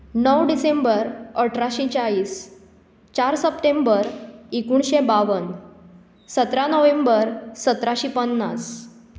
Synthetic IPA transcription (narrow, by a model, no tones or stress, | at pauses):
nəwɖisẽmbəɾəʈʰɾaɕit͡ɕaiːs | t͡ɕaɾsəpʈẽmbəɾikuɳɕebaʋən | sət̪ɾanəʋẽmbəɾsət̪ɾaɕiːpənːas